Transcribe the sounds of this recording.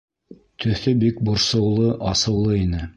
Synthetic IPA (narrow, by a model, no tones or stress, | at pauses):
t̪ʰɵ̆θɵbik̚bŏɾsɤ̆wlˠɤʔɑsɤ̆wlˠɤinɘ